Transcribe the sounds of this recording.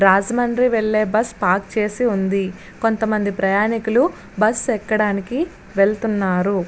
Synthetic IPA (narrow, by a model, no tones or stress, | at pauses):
ɾaːd͡ʒɐmɐɳɾiʋeɭːe̞ːbɐspaːk̚t͡ʃe̞ːsiund̪i | ko̞nt̪ɐmɐnd̪ipɾɐjaːnikulu | bɐsɛkːɐɽaːniki | ʋe̞ɭt̪unːaːɾu